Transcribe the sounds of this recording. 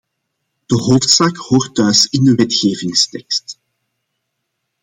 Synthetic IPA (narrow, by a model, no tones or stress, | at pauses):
d̥əɦoːftsaːkhoːrtːœɥsɪndəʋɛtxeːvɪŋstɛkst